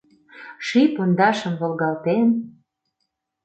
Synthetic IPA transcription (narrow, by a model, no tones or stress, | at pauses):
ʃipond̪ɑʃə̆mβolɣɑlt̪en